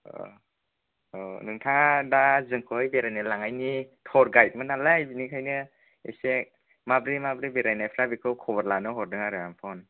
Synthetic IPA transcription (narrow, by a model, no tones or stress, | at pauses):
ɔ̰ | ɔnɯŋtʰaŋdazɯŋkʰojbeɾajnalaŋajnitʰɔɾɡajt̚mɯnalajbinikʰajnɯ | ḛsek̚ | mabɾimabɾibeɾajnajpʰɾabikʰɯwkʰɔβaɾlanɯɦɔɾdɯŋaɾɯjampʰɔn